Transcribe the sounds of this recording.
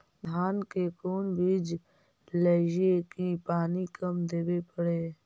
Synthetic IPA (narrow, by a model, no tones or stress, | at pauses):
d̪ʱaːnkekoːnbʱiːd͡ʒ | led͡ʒekipaːnikəmd̪eːwepəɽeː